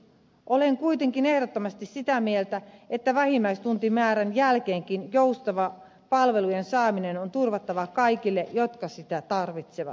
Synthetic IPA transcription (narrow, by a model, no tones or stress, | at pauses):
ʔoleŋkuit̪eŋkine̞hdot̪ːomɑst̪issit̪æmielt̪æet̪ːæʋæhimːæist̪unt̪imæːɾænjælkeːŋkinjoust̪ɑʋɑ | pɑlʋe̞lujensɑːminenont̪urʋɑt̪ːɑʋɑkɑikilːejot̪kɑsit̪æt̪ɑrʋit̪seʋɑ̰t̪